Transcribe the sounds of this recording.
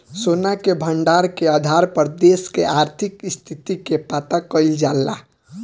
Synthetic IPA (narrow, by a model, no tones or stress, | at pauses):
sonakebʱəɳɖaɾkead̪ʱaɾpəɾd̪eskḛʔaɾt̪ʰikst̪ʰit̪ikepat̪akəɪld͡ʒalːa̰